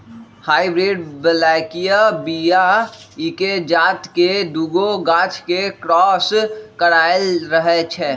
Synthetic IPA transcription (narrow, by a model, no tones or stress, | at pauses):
haːibɾeːɖbəlaːkijabijaɪked͡ʒaːt̪ked̪uːɡoɡãːt͡ʃʰkekɾɔːskəɽaːɪlɾəɦet͡ʃʰɛː